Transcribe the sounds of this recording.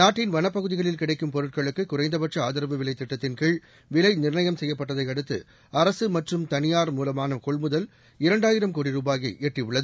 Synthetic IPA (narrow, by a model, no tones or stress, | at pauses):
naːʈːɪnʋɐnɐpːɐɣɯðɪɣɐɭɪlkɪɽɐɪkːɯmpɔɾɯʈ̚kɐɭɯkːɯkʊɾɐɪnd̪ɐpɐʈʂɐaːðɪɾɐʋɯʋɪɭɐɪt̪ːɪʈːɐt̪ːɪnkiɭ | ʋɪlɐɪnɪrɳɐjɐmsɛjːɐpːɐʈːɐðɐɪɐɽɯt̪ːɯ̰ | ɐɾɐsɯmɐʈrɯmt̪ɐnɪjaːɾmuːlɐmaːnɐkɔɭmʊðɐl | ɪɾɐɳɖaːjɪɾɐmkoːɽɪɾuːbaːɣɐɪʔɛʈriʊɭːɐðɯ